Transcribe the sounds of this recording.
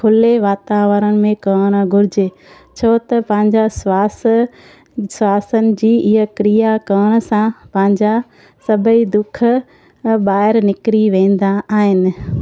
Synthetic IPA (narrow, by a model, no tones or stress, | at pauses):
kʰʊleʋaːt̪aːʋəɾəɽ̃ɪ̆mẽkɐːɽ̃ɡʱʊɾɪd͡ʑe | t͡ɕʰoːt̪ɐpɐ̃ɦɪ̃ɲd͡ʑaswaːs | swaːsənɪ̆d͡ʑiːɪɦəkɾijakɐːɽ̃̆sãpɐ̃ɦɪ̃ɲd͡ʑa | sɐbʱəid̪ʊk̆ʰ | ɓaːɦɪɾnɪkɾiʋẽːn̆d̪aaːɦɪnɪ̆